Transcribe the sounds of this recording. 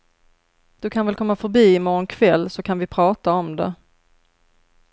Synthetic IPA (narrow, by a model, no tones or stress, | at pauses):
d̪̥ɵkʰanvɛlkʰɔmːafœɾbiːɪmɔɾɔnkʰvɛlːsɔkʰanvɪpʰɾɑːt̪aɔmd̪ɛ̰